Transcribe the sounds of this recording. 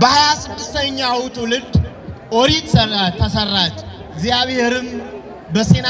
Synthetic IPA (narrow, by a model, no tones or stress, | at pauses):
bəhajasɨd̪ːɨst̪ʰəɲːawt̪ʰwʊlɨd̪ | ʔoɾit̪t̪ʰːəsərːat͡ʃː | ɪɡzijaβheɾɨm | bəse̞na